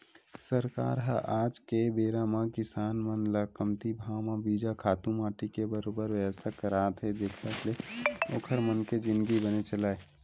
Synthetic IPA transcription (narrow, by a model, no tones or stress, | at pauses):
səɾka̰ːɾɦə̰ʔaːd͡ʒkebeːɾamãkɪsaːnmənləkəmt̪ibʱaːwmãbiːd͡ʒakʰaːt̪ũmaːʈikebəɾoːbəɾʋjəʋəst̪ʰakəɾaːt̪ɦɛd͡ʒeːkʰəkleo̰ːkʰəɾmənked͡ʒɪ̃nd̪ɡibənet͡ʃəlaːe